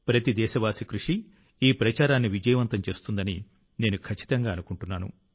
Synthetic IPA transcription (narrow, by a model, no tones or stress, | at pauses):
pɾɐt̪id̪ɛːʃɐʋaːsikɾuʂi | iːpɾɐt͡ʃaːɾaːnːiʋid͡ʒɐjɐʋɐnt̪ɐmt͡ʃe̞ːst̪und̪ɐni | ne̞ːnukʰɐt͡ʃːi̥t̪ɐŋɡaːɐnukuɳʈunːaːnṵ